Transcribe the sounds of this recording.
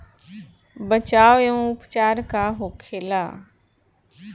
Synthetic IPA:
bət͡ʃaːʋjõʊpt͡ʃaːɾkaɦoːkʰeːlaː

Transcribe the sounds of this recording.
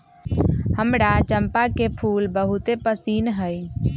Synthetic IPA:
həmɽat͡ʃəmpakepʰuːlbəɦut̪epəsiːnɦəj

